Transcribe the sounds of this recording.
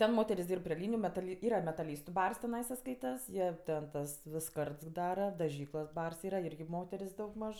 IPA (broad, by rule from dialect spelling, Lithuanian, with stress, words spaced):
ˈtʲɛn ˈmoːtʲɛrʲɪs ˈdʲiːrp pʲrʲɪ ˈlʲiːnʲɪjʊ mʲɛtɐˈlʲɪ ˈiːrɐ mʲɛtɐˈlʲiːstʊ ˈbɐrs tʲɪˈnɐɪsɐ ˈskɐɪtɐs ˈjiɛ tʲɛn ˈtɐs ˈʋʲɪs ˈskɐrts ˈdɑːrɐ dɐˈʒʲiːklˠoːs ˈbɐrs ˈiːrɐ ˈɪrʲɡʲɪ ˈmoːtʲɛrʲsʲ dɐʊɡˈmɐʃ